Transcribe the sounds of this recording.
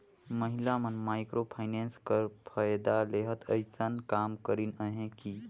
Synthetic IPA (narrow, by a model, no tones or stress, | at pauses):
məɦilamənmajkɾopʰajnenskəɾpʰajd̪aleɦət̪ʰəjsənkamkəɾinəɦẽki